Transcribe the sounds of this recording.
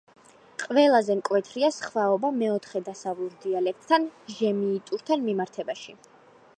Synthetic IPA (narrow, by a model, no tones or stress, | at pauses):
qʼvɛlˠazɛmkʼwɛt̪ʰɾiasχvaɔbamɛɔt̪ʰχɛd̪asavlˠuɾd̪ialɛk̚ʰt̪ʼʰːanʒɛmiːt̪ʼuɾt̪ʰanmimaɾt̪ʰɛbaʃi